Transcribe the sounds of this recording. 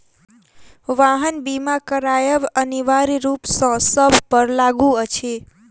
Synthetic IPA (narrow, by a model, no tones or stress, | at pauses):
ʋaɦənbimakəɾajəbəniʋaɾiɾupsɔsəbʱpəɾlaɡuət͡ʃʰe